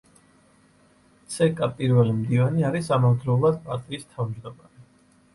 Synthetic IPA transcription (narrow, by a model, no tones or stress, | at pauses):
t̪sʰɛkʼapʼiɾvɛlimd̪ivaniaɾisamavd̪ɾɛulˠad̪̚pʼaɾt̪ʼiːst̪ʰavmd͡ʒd̪ɔma̰ɾi